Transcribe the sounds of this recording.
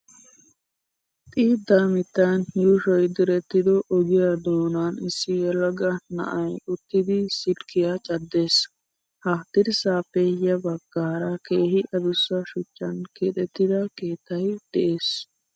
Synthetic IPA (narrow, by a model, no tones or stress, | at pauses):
t̪ʼiːd̪amɪt̪ːɐnjuːʃɔjd̪ɪɾɛt̪ːɪd̪ɔʔːɡɪjad̪oːnaːnɪsːɪjɛlɐɡɐnɐ̰ʔɐjʊt̪ːɪd̪ɪsɪdkɪjat͡ʃʼɐd̪ːe̞ːs | hɐt̪ɪɾsaːpːɛjɐbɐɡːaːɾɐke̞ːhɪʔɐd̪ʊsːɐʃʊt͡ʃːɐnket̪ʼɛt̪ːɪd̪ɐkeːt̪ːɐjd̪̥ɛʔe̞ːs